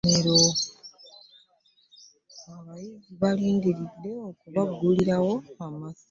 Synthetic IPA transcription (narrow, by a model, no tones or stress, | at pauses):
eɾo | aβajiziβaliːŋɡiɾid̪ːe̞okuβaɡːuliɾawo̞amasi